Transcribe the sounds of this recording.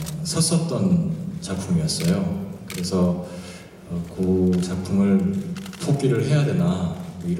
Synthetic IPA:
sʰʌs͈ʌt̚t͈ʌnt͡ɕak̚pʰumijʌs͈ʌjokɯɾe̞sʰʌ | ʌkɯt͡ɕak̚pʰumɯɭpʰok͈iɾɯɭɦe̞jadwenamʌiɾ

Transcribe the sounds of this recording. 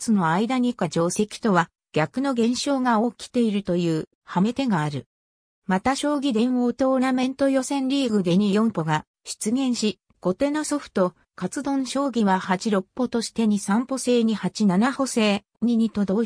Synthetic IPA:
t͡sɨno̞aid̪aɲ̟ikad͡ʑo̞ːse̞kʲi̥t̪o̞βa | ɡ̥ʲakɯ̟no̞ɡẽ̞ɰ̃ɕo̞ːɡao̞ːkʲi̥t̪e̞iɾɯ̟t̪o̞jɯ̟ː | hame̞t̪e̞ɡaːɾɯ̟ | mat̪aɕo̞ːɡʲid̪ẽ̞ɰ̃oːt̪o̞ːnamẽ̞nt̪o̞jo̞sẽ̞nɾʲiːɡɯ̟d̪e̞ɲ̟ijõ̞mpo̞ɡa | ɕi̥t͡sɨɡẽ̞ɰ̃ɕi | ɡ̥o̞t̪e̞noso̞ɸɯ̥t̪o̞ | kat͡sɨd̪õ̞ɕo̞ːɡʲiβahat͡ɕiɾo̞pːo̞t̪o̞ɕi̥t̪e̞ɲ̟isãmpo̞se̞ːɲ̟ihat͡ɕinanaho̞se̞ː | ɲ̟iɲ̟it̪o̞d̪o̞

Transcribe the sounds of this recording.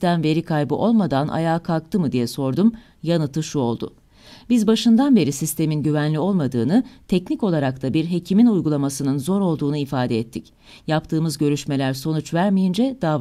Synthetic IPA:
t̪æmve̞ɾikʰajbɯʔo̞lˠmad̪anʔa̰jaːkʰalˠk̚t̪ʰɯmɯd̪ijɛso̞ɾd̪um | janɯt̪ʰɯʃuo̞lˠd̪ʊ̰ | b̥izbaʃɯnd̪anbe̞ɾisist̪ʰe̞minɟyvænlʲio̞lˠmad̪ɯːnɯt̪ʰɛcnico̞lˠaɾakt̪ʰabiɾɦe̞cʰiminujɡulˠamasɯnɯnzo̞ɾo̞lˠd̪uːnuifaːd̪ɛɛt̪ʰːic | japt̪ʰɯːmɯzɟø̞ɾyʃme̞lʲæɾso̞nut͡ʃvæɾmijind͡ʒɛd̪̥aː

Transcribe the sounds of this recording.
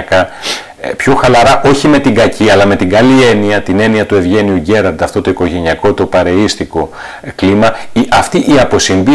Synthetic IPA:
kɐ | pço̞xɐlɐɾɐʔo̞çime̞t̪iŋɡɐciɐlɐme̞t̪iɡɐlie̞niɐt̪ine̞niɐt̪ue̞vʝe̞niuɟe̞ɾɐɾd̪ɐft̪o̞t̪o̞iko̞ʝe̞niɐko̞t̪o̞pɐɾe̞ist̪iko̞ | klimɐiʔɐft̪iʔiɐpo̞siɱbi

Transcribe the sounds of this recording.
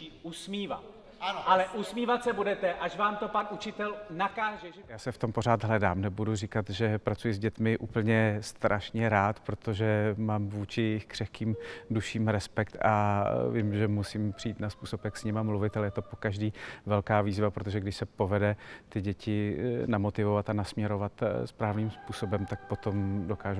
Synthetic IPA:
usmiːva̰ | alɛʔusmiːvat̪sɛbudɛt̪ɛʔaʃvaːmt̪o̞panʔut͡ʃɪt̪ɛlnakaːʒɛɛjaːsɛft̪o̞mpo̞ɾ̝aːt̪ɦlɛdaːmnɛbudurikat̪ʒɛpɾat͡sujɪzɟɛt̪mɪʔuːpl̩ɲɛst̪ɾʔaʃɲɛɾaːt̪pɾo̞t̪oʒɛmaːmvuːt͡ʃɪjɛjɪxkr̝̥ɛfkiːmduʃiːmɾɛspɛkt̪a̰vɪmʒɛmusimpr̝̥ijiːt̪naspuːso̞pjaksɲɪmamluvɪt̪alɛjɛt̪opo̞kaʒdiːvɛlkaːviːzvapɾot̪o̞ʒɛɡdɪʃsɛpo̞vɛdɛt̪ɪɟɛcɪnamo̞t̪ɪvovat̪anasmɲɛɾo̞vat̪spɾaːvniːmspuːso̞bɛmt̪ak̚po̞t̪o̞mdo̞kaːʒu

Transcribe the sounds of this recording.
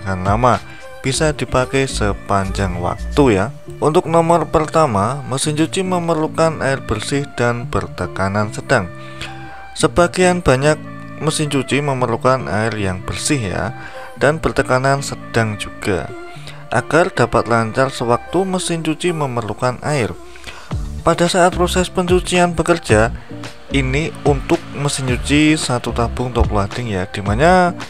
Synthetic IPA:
ŋanlama | b̥isadipakɛjsəpaɲd͡ʒaŋwa̰k̚t̪uja | unt̪ʊk̚nɔmɔrpərt̪amaməsɪɲt͡ʃut͡ʃiməmərlukanʔaɪrb̥ərsɪhd̥anb̥ərt̪əkanansəd̥aŋ | səb̥aɡejanb̥aɲak̚ | məsɪŋt͡ʃut͡ʃiməməɾlukanʔa̰ɪrjaŋb̥ərsɪhja̰ | d̥anb̥ərt̪əkanansəd̥aŋd͡ʒuɡ̥a̰ | ʔa̰ɡ̥ard̥apat̪laɲt͡ʃarsəwak̚t̪uməsɪɲt͡ʃut͡ʃiməmərlukanʔa̰ɪr | padasaat̪̚pɾosɛspəɲt͡ʃut͡ʃianbəkərd͡ʒ̥a | iniunt̪ʊk̚məsɪɲt͡ʃut͡ʃisat̪ut̪ab̥ʊŋt̪ɔpluad̥ɪŋjad̥imaɲa

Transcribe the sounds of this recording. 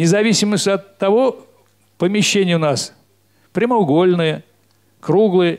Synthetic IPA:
nʲɪzɐvʲisʲɪməsʲtʲɐt̪ːɐvo | pəmʲɪɕːenʲɪjəʊnas | pɾʲɪməʊɡo̞lʲnɨjə | kɾuɡlˠɨjə

